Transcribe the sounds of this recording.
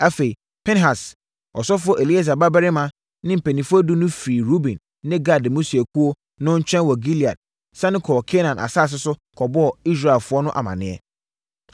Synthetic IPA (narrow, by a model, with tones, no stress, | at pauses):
a˦fe˨i˨ | pʰɛ˦nɦa˨s | ɔ˨sɔ˦fʊ˦ɔ˦ʔe˨li˦a˦˨s̬a˨ba˦bɛ˦ɾɪ˦mã˦ | nɪ̃˦m̩˨pʰe˨nĩ˨fʊ˦ɔ˦du˦nʊ̃˦fiː˨ɾu˦bĩ˨nːɪ̃˦ɡa˦˨dmũ˦si˨e˨kʰu˦o˦ | nʊ̃˦ɲ̩˦t͡ɕʰᶣɛ̃˦nwɔ˨ɡi˦li˨a̰˨d̚ | sã˦nʊ̃˦kʰɔː˨kʰɛ˦nã˨nʔa̰˨saː˦˨s̬ɪ˦sʊ˦kʰɔ˨bɔ˦ɔ˨i˦s̬ɾa˨ɛ˨lfʊ˦ɔ˦nʊ̃˦ʔa̰˨mã̰˨nɪ̃˦ɛ̰˦